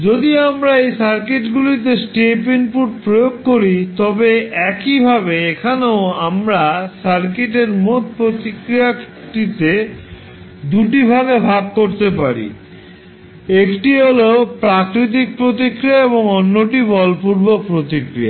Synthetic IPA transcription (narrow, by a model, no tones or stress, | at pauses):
d͡ʑod̪iamɾaejsaɾkeʈɡulit̪esʈepinpuʈ̚pɾojoɡ̚koɾit̪ɔbeɛkibʱaβeekʰaneoamɾasaɾkeʈ̬eɾmot̪̚pɾot̪ikɾia | ʈit̪e | d̪uʈibʱaɡebʱab̚koɾt̪epaɾḭ | ekʈiɦolepɾakɾit̪̬ik̚pɾot̪̬ikɾijaeβoŋonːoʈibɔlpuɾbopɾot̪ikɾḭa̰